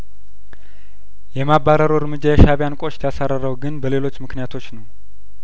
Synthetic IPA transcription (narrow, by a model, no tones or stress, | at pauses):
jɛmabaɾəɾoɨɾmɨd͡ʒːajɛʃaβjankʷʼo̞t͡ʃt̪ʰjasaɾəɾəwɡɨnbəle̞lo̞t͡ʃːmɨknijat̪ʰo̞t͡ʃːnəw